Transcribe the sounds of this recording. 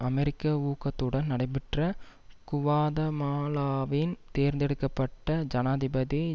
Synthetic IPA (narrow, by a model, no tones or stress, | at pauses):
ɐmɛɾɪkːɐuːkːɐt̪ːɯɽɐnnɐɽɐɪp̬ːɪʈrɐkʊʋaːðɐmaːlaːʋɪnt̪eːɾnd̪ɛɽɯkːɐpːɐʈːɐd͡ʒɐnaːðɪbɐði